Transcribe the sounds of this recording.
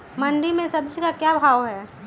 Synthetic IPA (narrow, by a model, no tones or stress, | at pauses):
mɐ̃ɳɖimẽsɐbd͡ʒʱkakjabʱaːoɦɛː